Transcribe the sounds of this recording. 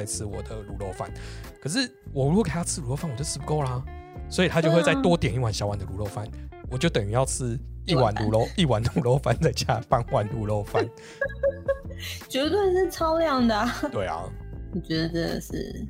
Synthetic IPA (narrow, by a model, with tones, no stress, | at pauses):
a˧ɪt͡sʰɻ̩˥wɔ˨˩d̪ə˦lu˨˥˦lo˥˧ʊfa̰˥˩nkʰɤ˨˩ʂ̬ɻ̩˥˩ | wɔ˨˩ɻu˧u˧˥˨kʰjt͡sʰɹ̩˥˧ɻu˧˥lo˥˧ʊfa˥˩nwt͡ɕjʰɻ̩˥pu˧ko˥˩ʊla˨swɔ˧˥i˨˩t̪ʰa˥t͡ɕo˥˧ʊxwe˥˧t͡sa˥˩ɪt̪wɔ˥t̪jɛ˨˩ni˥˩wa˨˩nɕjɑ˥ʊwa˨˩nd̪ə˨lu˧˦˥o˥˧ʊfa˥˩nwɔ˨˩t͡ɕjo˥˩ʊt̪ə˨˩ŋy˧˥jɑ˥˧ʊt͡sʰɻ̩˥i˥˨wa˧˦nu˨˧˥lo˥˧ʊi˥˨wa˧˥nd̪ə˨lu˨˥lo˥˧ʊfa˥˧nt͡sa˥˧ɪt͡ɕja˥˧pa˥˧nwa˥˧˩nlu˧˥lo˥˧ʊfa˥˧˨n | t͡ɕɥɛ˧˥lwə˥˧nʂɻ̩˥˩t͡sʰɑ˥ʊljɑ˥˩ŋd̪ə˩t̪we˥˩ɪɐ̰˨˦wɔ˨˩t͡ɕɥɛ˧˥d̪ə̰˧ʂɻ̩̰˥˩